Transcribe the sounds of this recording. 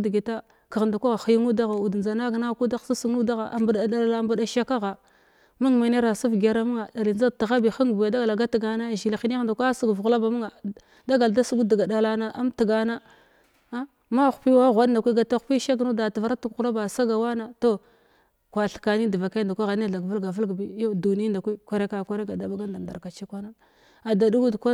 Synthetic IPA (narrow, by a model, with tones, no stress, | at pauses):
dɡi˨ta˦ | ka˨ɣnda˨kʷa˦ɣa˨xi˨ji˦ŋu˦da˦ɣa˨u˨dd͡za˨na˦ɡna˦ku˦da˦˨sa˦su˦nu˦da˦ɣa˨ʔa˨mbda˨da˦˨lla˦˨mbu˦da˨ʃa˦ka˦ɣa˨ | mu˦ŋma˨ne˦ɾa˨su˦fɡa˨ɾa˦mu˦a˨da˨li˨d͡ʒa˦˨ta˨ɣa˦bi˨xa˦ŋ˨bu˨ja˨da˦ɡa˨la˨ɡa˦ti˨ɡa˨na˦˨ʒi˨la˨xi˦n˦˨da˨kʷa˦su˦ɡvɣu˨la˦ba˨mu˦ŋa˨ | da˦ɡa˨lda˦su˦ɡu˦da˨ɡa˨da˨la˦na˦ʔa˦mti˨ɡa˨na˦ | a˦ | ma˦˨xpi˦wa˦ɣʷa˨˦dnda˨kʷi˦ɡa˨ta˦xpi˦ʃa˦ɡno˦da˨tva˨ɾa˦tu˨ku˦la˦ba˨sa˦ɡa˨wa˦na˨to˦ | kʷa˨ɬka˨ni˦di˨va˨ka˦˨da˨kʷa˦ɣa˨ni˦˨a˨ɡvu˦lɡa˨və˦lɡbi˦jo˦du˨n˦nda˨kʷi˦kʷa˦ɾe˦ka˨ka˦ɾe˦ɡa˨da˨ba˦ɡa˦nda˨nda̰˨ɾka˨t͡ʃi˦kʷa˦na˦ | a˨da˨du˦ɡu˦dkʷa˦